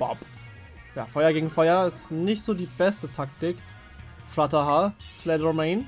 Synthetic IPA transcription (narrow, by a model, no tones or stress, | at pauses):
b̥ɔ̰p | ja̰ːfɔʏɐɡeːɡŋ̩fɔʏɐɪstnɪçtz̥oːdiːb̥ɛstətʰak̚tɪk | flatɐɦaflɛdʁomeɪn